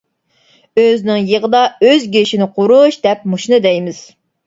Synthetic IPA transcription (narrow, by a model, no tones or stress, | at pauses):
øznɪŋjəʁəd̪ɑøzɡʲeʃinɪqʰoɾuʃd̪ɛp̚muʃnɨd̪ɛjmɪz̥